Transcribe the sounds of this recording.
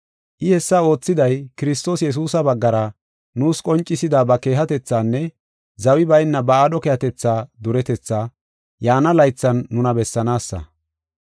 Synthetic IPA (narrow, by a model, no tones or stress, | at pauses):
ʔɪhɛsːɐo̞ːt͡sːɪd̪ɐjkɪɾɪst̪o̞ːsjɛs̬uːsɐbɐɡːɐɾɐ | nuːskʼɔnt͡ʃʼːɪsɪd̪aːbɐke̞ːɦɐt̪ɛt͡sːaːnːɛ | zɐwɪbɐjnːɐbɐaːdɔkeːhɐt̪ɛt͡sːaːd̪ʊɾɛt̪ɛt͡sːaː | jaːnɐlɐjt͡sːɐnːʊnɐbɛsːɐnaːsːɐ̰